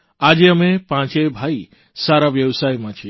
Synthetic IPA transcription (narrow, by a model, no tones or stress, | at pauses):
ad͡ʒeəmẽpãt͡ʃebʱai | saɾabjɐwsajmat͡ʃʰi